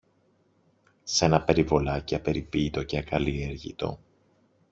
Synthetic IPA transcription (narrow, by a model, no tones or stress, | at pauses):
se̞nɐpe̞ɾivo̞lɐciɐpe̞ɾipit̪o̞ceɐkɐlie̞ɾʝḭt̪o̞̰